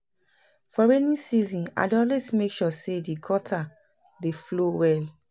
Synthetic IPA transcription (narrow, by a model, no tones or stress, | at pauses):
fɔɹɛnĩsizĩna̰dɔ̃lɛsmekʃɔsedikʰɔtʰa | deflowɛl